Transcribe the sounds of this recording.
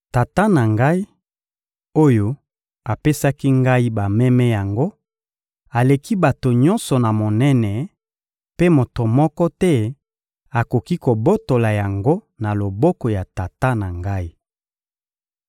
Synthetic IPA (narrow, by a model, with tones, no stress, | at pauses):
ta˨ta˦na˨ŋɡa˦i˦ | o˦jo˦ | a˨pe˦sa˦ki˦ŋɡa˦i˦ba˨mɛ˦mɛ˦ja˨ŋɡo˦ | a˨le˨ki˦ba˨to˨ɲɔ̃˦nsɔ˨na˨mo˨nɛ˦nɛ˨ | pe˦mo˨to˨mɔ˦kɔ˦tɛ˦ | a˨ko˨ki˦ko˨bo˦to˨la˨ja˨ŋɡo˦ | na˨lo˨bɔ˦kɔ˨ja˨ta˨ta˦na˨ŋɡa˦i˦